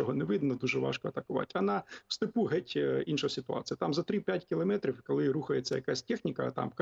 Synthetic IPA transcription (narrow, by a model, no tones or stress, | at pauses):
ɔɦɔnɛʋɪd̪nɐd̪uʒɛʋɑ̰ʃkɔɐt̪ɐkʊʋɑ̰tʲɐnɑw̥st̪ɪpuɦɛtʲinʃɔsʲɪt̪ʊɑ̰t͡sʲijɐt̪ɑmzɐt̪ɾɪpʲjatʲkʲɪlˠɐmɛt̪ɾʲiwkɔlˠɪɾuxɐjet͡sʲːɐjɐ̰kasʲtʲɛxnʲikɐt̪ɑ̰mk